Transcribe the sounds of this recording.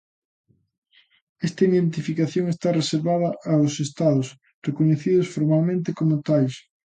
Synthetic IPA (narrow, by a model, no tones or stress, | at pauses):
ɛst̪ɐiðent̪ifikaθjoŋest̪areseɾβaðɐʔaosest̪aðʊs | rekoɲeθiðʊsfoɾmalmẽnt̪ekomʊt̪ajs